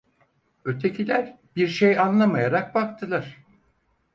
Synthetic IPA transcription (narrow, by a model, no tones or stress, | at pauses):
øt̪ʰe̞cʰilʲæɾ | biɾʃejanlˠamajaɾak̚bakt̪ʰɯlˠaɾ̥